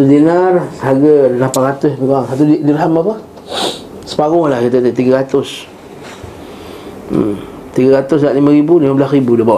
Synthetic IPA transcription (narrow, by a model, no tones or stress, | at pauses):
t̪udinaraɡəlampaɾat̪ʊsbikaŋsat̪̬uddiɾɦamapa | sə̥paɡʊŋlahkit̪ət̪ət̪iɡaɾat̪ʊs | m | t̪iɡaɾat̪ʊsdaʔlimə̃ɾibuliməbəlasibudəbawa̰